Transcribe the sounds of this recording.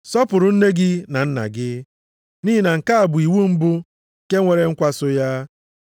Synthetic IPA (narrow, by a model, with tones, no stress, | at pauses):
sɔ˦pʊ˨ɾʊ˨n̩˦ne˦ɡɪ˦na˨n̩˦na̰˨ɡɪ˦ | ni˦i˦na˨ŋ̩˨ka˦a˨bʊ˨i˨wu˦m̩˦bʊ˦˨ | ke˦ŋʷe˨ɾe˨ŋ̩˦kʷa˦sʊ˦ja˦